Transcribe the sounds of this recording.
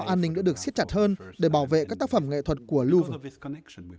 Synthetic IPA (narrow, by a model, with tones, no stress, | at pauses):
ʔaː˧nːï˧ŋɗa̰ː˧˥ɗɨ˨˩ək̚si˦˥t̚t͡ɕa˨˩t̚həː˧nɗe˧˩ɓaː˧˩wvḛ˧˨kaː˦˥k̚t̪aː˦˥k̚fə˧˩mŋḛ˧˨t̪ʰwə˨˩t̚ku˧˩əlu˧v